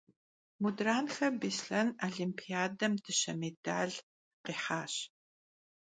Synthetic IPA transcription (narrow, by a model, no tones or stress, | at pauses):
mudraːnxɐbisɬɐnaɮimpʰiaːdɐmtʰɨɕɐ̰meda̰ːɮ | qiːħaːɕ